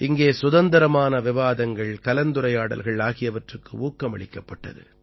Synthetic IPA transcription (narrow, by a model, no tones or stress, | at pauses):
ʔɪŋɡeːsʊðɐnd̪ɐɾɐmaːnɐʋɪʋaːðɐŋɡɐɭkɐlɐnd̪ʊɾɐjaːɽɐ̰lɣɐɭaːɣɪjɐʋɐʈrɯkːɯʔuːkːɐmɐɭɪkːɐpːɐʈːɐ̰ðɯ̰